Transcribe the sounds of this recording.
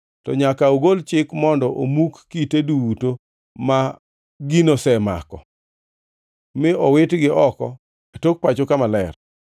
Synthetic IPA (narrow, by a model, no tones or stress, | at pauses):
tɔɲakaoɡolt͡ʃɪkmɔndɔʔomukːiteduwuto | ma | ɡinosɛma̰kɔ̰ | mɪɔwɪtɡɪʔɔkɔ̰ | atok̚pat͡ʃokamalɛr